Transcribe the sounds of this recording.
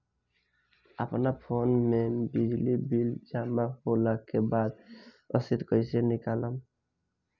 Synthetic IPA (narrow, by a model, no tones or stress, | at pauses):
a̰pnaɾpʰonmɛbid͡ʒlibild͡ʒamaholakebad̪ | ɔ̰sit̪kɔjsenikalam